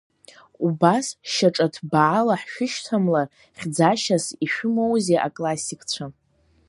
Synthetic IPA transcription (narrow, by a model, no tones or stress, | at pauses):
ubasʃaʈ͡ʂʼatʰbaʕalaħʃᶣɪʃtʰamla | χʲd͡zaʃasiʃᶣʊmowzeʔa̰kʼlasikʼt͡ɕʷʰa